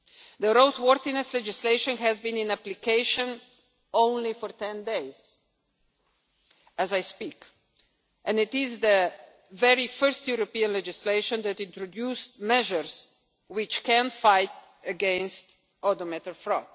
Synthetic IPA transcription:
d̪əɾoʊt̪wɔɾθinɛslɛd͡ʒɪsleɪʃə̃nɦɛzbĩnɪ̃næplikeɪʃə̃n | õʊ̃nlifɔɹt̪ɛ̃ndeɪz̥ | ɛzajspik | ʔɛ̃nɪt̪ɪzd̪ə | vɛɹifɜɾstjuɾɔpiə̃nlɛd͡ʒɪsleɪʃə̃nd̪ɛtɪ̃nt̪ɾɔdjustmɛʒəɾs | wɪt͡ʃkɛ̃nfaɪt̚ | əɡɛ̃nst̪ | ɔdɔmɛt̪əɹfɾɔt̪

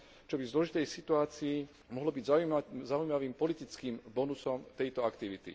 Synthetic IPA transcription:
t͡ʃɔbivzlɔʒit̪ɛjsit̪uaːt͡sii | mɔɦlɔbiɟzaujmaʋiːmpɔlit̪it͡skiːmbɔnusɔmt̪ɛjt̪ɔakt̪iʋit̪ḭ

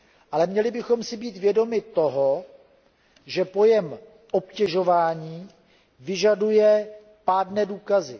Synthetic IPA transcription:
ʔalɛmɲɛlɪbɪxo̞msɪbiːt̪vjɛdo̞mɪt̪o̞ɦo | ʒɛpo̞jɛm | ʔopcɛʒo̞vaːɲiː | vɪʒadujɛ | paːdnɛːduːkazɪ

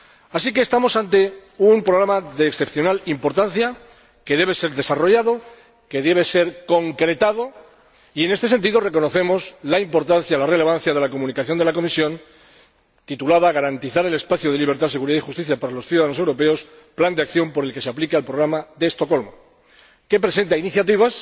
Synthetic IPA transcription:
asikeːst̪amo̞sant̪e̞umpɾoɣɾamaðeːksθe̞pθjo̞nalimpo̞ɾt̪anθja | ke̞ðe̞β̞e̞se̞ɾðe̞saro̞ʝaðo̞ | ke̞ðe̞β̞e̞se̞ɾko̞ŋkɾe̞t̪aðo̞ | ie̞ne̞st̪e̞se̞nt̪iðo̞re̞ko̞noθe̞mo̞slaimpo̞ɾt̪anθjalare̞le̞β̞an̟θjaðe̞lako̞mũnikaθjo̞nd̪elako̞misjõ̞n | t̪it̪ulaðaɣ̞aɾant̪iθaɾele̞spaθjoð̞e̞liβ̞e̞ɾt̪ase̞ɣuɾiðaixust̪iθjapaɾalo̞sθjuðaðanoewɾo̞pe̞o̞s | pland̪eakθjo̞mpo̞ɾe̞lke̞seaplikealpɾoɣ̞ɾamaðe̞st̪o̞ko̞lmo | ke̞pɾe̞se̞nt̪ainiθjat̪iβas

